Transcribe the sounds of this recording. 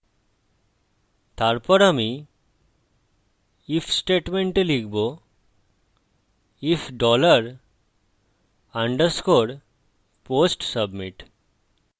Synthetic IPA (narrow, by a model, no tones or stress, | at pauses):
t̪aɾpɔɾami | ifʰsʈeʈmeɳʈelikʰbo | ifʰɖɔləɾ | aɳɖəɾskoɾ | posʈsəbmiʈ